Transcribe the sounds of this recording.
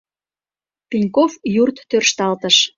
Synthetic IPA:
pinʲkofjurt̪ːørʃt̪ɑlt̪əʃ

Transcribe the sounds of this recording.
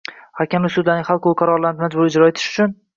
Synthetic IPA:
hakʲʰamlɪsʊd̪laɾnɪŋʲhalˠqolqʰaɾɒɾlanɪmad͡ʒbʊɾɪd͡ʒɾɒet̪ʰɪ̥ʃʊ̥t͡ʃʰʊn

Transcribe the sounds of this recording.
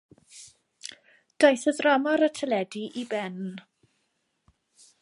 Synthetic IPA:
d̥ɔjθəðrɔmɔɾətʰəlɛdiʔibɛn

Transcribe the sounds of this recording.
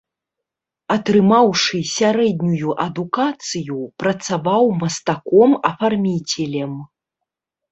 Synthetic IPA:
ɐt̪ɾɨmawʂɨsʲaɾɛd̪nʲujuʔɐd̪ukat̪sɨjupɾɐt̪savawmɐst̪akɔmɐfarmʲit͡sʲɛlʲɛm

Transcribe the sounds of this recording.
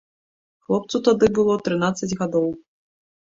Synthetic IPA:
xlˠɔp̚t̪sut̪ad̪ɨbɨlˠɔt̪ɾɨnat̪sːɐd͡zʲɣad̪ɔw

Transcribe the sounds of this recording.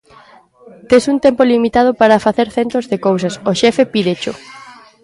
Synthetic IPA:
t̪esuŋt̪empolimit̪að̞opaɾɐfaθeɾθent̪ozðekowsɐsoʃɛfepiðet͡ʃo̰

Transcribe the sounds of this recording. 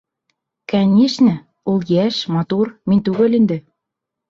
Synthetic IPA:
kænʲeʃnɘ̆ | olˠjæʃmɑt̪urmɘ̆nʲt̪uɣɘ̆lʲɘ̆nd̪ɘ̆

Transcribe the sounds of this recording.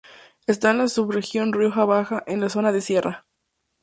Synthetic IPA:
est̪aenlasuβre̞xjo̞nrjo̞xaβaxaʔe̞nlaso̞naðesje̞rʔa

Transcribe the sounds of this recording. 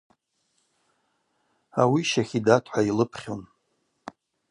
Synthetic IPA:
awiʃaχʲidatʰʼħʷailɨpʰχʲon

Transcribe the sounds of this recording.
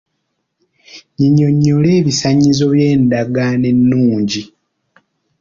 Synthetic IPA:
ɲiɲːo̞ɲːo̞le̞ːβisaɲːizo̞βje̞ːndaɡane̞nːuːɲɟi

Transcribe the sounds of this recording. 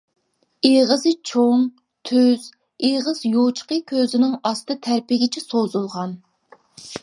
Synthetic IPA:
eʁəzɨt͡ʃʰoŋ | t̪ʰyz̥ | eʁəzjot͡ʃʰqəkʲʰøzɪnɪŋɑst̪ɨt̪ʰæɾpɪɡʲɪt͡ʃʰɛsozulˠʁɑn

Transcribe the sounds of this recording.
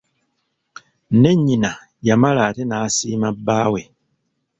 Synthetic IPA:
ne̞ɲina | jamalaːtenasiːmabaːwe

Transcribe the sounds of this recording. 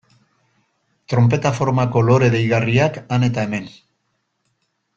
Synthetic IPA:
t̪ɾo̞mp̬e̞t̪afo̞ɾmako̞lo̞ɾe̞ðejɣ̞ariakane̞t̪aeme̞n

